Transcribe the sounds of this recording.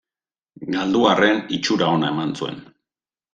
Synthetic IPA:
ɡald̪uare̞nit͡ʃuɾao̞nae̞mansue̞̰n

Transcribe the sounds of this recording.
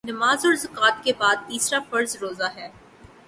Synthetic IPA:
nɐmaːzɔːɾzɐkaːt̪̚kebaːd̪̚t̪iːsɾafɐɾzɾoːzaɦɛː

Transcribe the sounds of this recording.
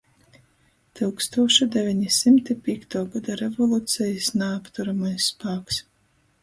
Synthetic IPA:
t̪ɨwkst̪uɔʃid̪ɛvʲɛɲisimt̪ipʲiɛkt̪aːɡad̪aɾɛvɔlˠut̪sʲɛjisnaapt̪uɾamajsːpaːks

